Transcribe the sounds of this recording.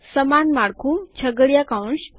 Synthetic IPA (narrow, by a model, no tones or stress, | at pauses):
səmanmaɽkʰumt͡ɕʰəɡəɭjakawɳs